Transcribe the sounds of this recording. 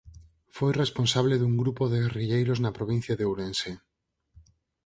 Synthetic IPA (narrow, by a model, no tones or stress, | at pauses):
fojrespõnsaβ̞leðuŋɡɾupoðeɣeriʎejɾoznapɾoβ̞in̟θjaðewɾense